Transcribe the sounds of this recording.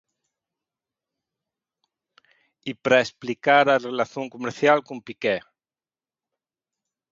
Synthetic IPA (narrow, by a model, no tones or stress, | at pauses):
ipɾaesplikaɾarelaθjoŋkumeɾθjalkumpikɛ